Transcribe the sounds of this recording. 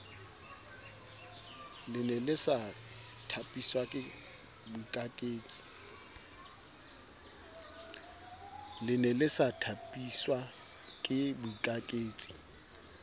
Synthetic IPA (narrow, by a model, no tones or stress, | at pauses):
lɪnɛlɪsa | tʰapʼiswakʼɪ | bʊikʼakʼeːt͡sʼi̥ | lɪnɛlɪsatʰapʼiswa | kʼɪbʊikʼakʼeːt͡sʼi̥